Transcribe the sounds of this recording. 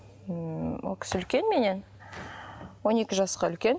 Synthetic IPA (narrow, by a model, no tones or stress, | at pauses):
wo̰lˠkʲʰɪ̥sɪlkʲe̞nme̞ne̞n | wo̞ne̞kʲɪʒɑsqɑʏlkʲe̞n